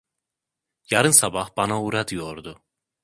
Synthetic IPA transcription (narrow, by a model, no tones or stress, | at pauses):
jaɾɯnsabahb̥anauɾad̪ɯjo̞ɾd̪ʊ